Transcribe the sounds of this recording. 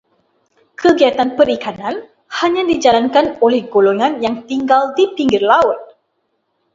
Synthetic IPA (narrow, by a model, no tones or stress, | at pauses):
kʰəɡiat̪anpəɾikanãn | haɲãdid͡ʒalankanolɛhɡoloŋãnjaŋt̪iŋɡaldipiŋɡɪrlaʊt̪̚